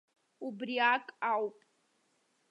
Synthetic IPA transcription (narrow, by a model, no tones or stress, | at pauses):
ubriakʼawpʼ